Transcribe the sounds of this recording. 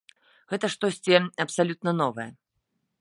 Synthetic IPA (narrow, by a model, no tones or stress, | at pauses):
ɣɛt̪ɐʂt̪ɔsʲt͡sʲiɐpsalʲut̪̚nɐnɔvɐjɐ